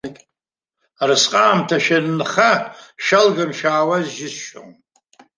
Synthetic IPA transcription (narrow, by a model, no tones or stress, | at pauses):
kʲʼ | arɨsqʼaːmtʰaʃannχaʃalɡamʃaːwazʒɪsʃo̰w